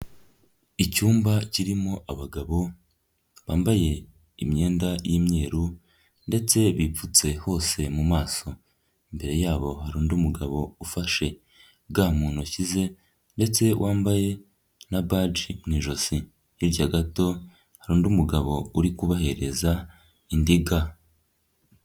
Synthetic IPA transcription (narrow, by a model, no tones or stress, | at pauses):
icuːmbaciɾimoʔaβaɡaβo̞ | βaːmbaje̞ | imɲe̞ːndajimɲe̞ːɾu | nde̞t͡se̞βip͡fut͡se̞ho̞ːse̞mumaːso̞ | imbe̞ɾe̞jaːβo̞haɾuːndumuɡaβo̞ufaʃe̞ | bɡamuːnoçize̞ | nde̞t͡se̞wʔaːmbaje̞ | nabad͡ʒimniʒo̞si | iɾɟaɡato̞ | haɾuːndumuɡaβo̞uɾikuβahe̞ɾeza | indiɡa